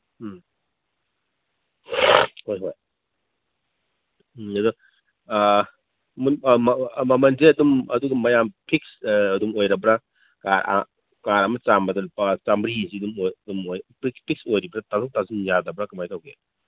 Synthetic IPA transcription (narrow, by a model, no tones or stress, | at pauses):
hojɦoj | ɐdu | mu | mɐmɐnzeɐdumɐduɡɐmːɐjampʰik̚sːdumojɾɐbɾa | kaɾa̰ | kaɾɐmɐt͡ʃambɐdɐlupat͡ʃambɾisiɐdumojdumojpikpʰik̚sojɾibɾatazuk̚tazinjadɐbɾɐkɐmajkawɡḛ